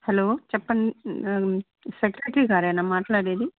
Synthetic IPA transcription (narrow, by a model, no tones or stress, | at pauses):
hɛloːt͡ʃɛpːɐɳi | sekɾeʈɾiːɡaːɾenaːmaːʈlaːɽeːd̪i